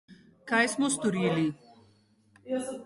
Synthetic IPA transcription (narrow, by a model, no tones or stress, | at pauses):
kajsmust̪uɾiːli